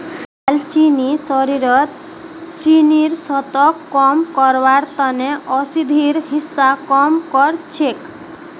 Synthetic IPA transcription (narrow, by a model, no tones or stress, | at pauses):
alt͡ʃinisɔɾiɾɔt̪ | t͡ʃiniɾsɔt̪ɔkːɔmkɔɾbaɾt̪ɔneʔɔsid̪ʱiɾɦisːakɔmkɔɾt͡ʃʰek